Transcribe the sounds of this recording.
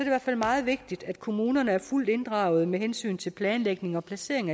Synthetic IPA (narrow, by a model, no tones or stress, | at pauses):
ɒɐdiʋæɐfæl̰mɑ̈ːð̞̩ˠʋe̝ɡ̥̚d̥id̥æd̥kʰo̝muːnɐnəæɐful̰d̥e̝nd̥ʁɑ̈ʊð̞̩ˠmeɦensy̰ːnt͡sʰe̝lpʰlɛːnleɡ̥ne̝ŋɒ̽pʰlæse̝̰ɐ̰eŋ